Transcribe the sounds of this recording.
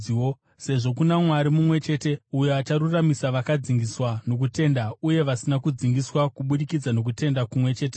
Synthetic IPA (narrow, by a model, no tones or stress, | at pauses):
o | se̞ʐo̞kunamwaɾimumwe̞t͡ʃe̞ːte̞ujoat͡ʃaɾuramisaʋakad͡ziŋɡiswano̞k̬ute̞ndauje̞ʋasinakud͡ziŋɡiswakuɓuɗikid͡zano̞k̬ute̞ndakumwe̞t͡ʃe̞ːt̬e